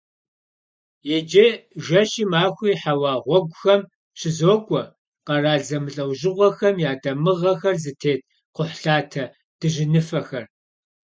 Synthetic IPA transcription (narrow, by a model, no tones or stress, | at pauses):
jɛd͡ʒɐʒɐɕiːmaːxʷiːħawɑːʁʷɔɡʷʼʊxɐm | ɕɪzoːɡʷʼɔ | qɐraːɮzɐmɨɬʼɐwʒɪʁʷɔxɐmjaːdʼɐmɨʁɐxɐrzɨtʰeːt̚ʰ | qʷʊħɬaːtʰɐ | d̥ɨʒɪnɨfɐxɐr